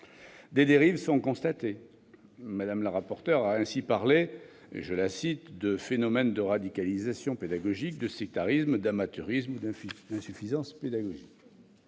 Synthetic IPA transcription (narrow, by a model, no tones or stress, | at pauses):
d̪ed̪eʁivsɔ̃kɔ̃st̪at̪e | mad̪amləʁapɔʁt̪œʁaɛ̃sipaʁle | ḛʒəlasit̪d̪əfenɔmɛnd̪əʁad̪ikalizasjɔ̃ped̪aɡɔʒik̚d̪əsɛk̚t̪aʁismd̪amat̪yʁismud̪ɛ̃d̪ɛ̃syfizɑ̃sped̪aɡɔʒik